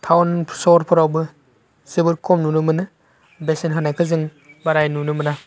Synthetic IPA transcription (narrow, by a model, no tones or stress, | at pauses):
tʰawnpʰsɔɾpʰɔɾawbɯ | sibɯɾkʰɔmnunumɯnɯ | besenɦɯnajkʰɯzɯŋ | baɾajnunumɯna